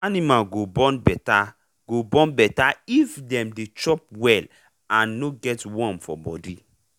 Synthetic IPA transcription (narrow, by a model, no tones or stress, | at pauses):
animalɡobɔ̃nbɛta | ɡ̥obɔ̃nbɛtaifdɛ̃mdet͡ʃɔp̚wɛl | ãnːoɡɛtwɔ̃mfɔ̰bɔ̰di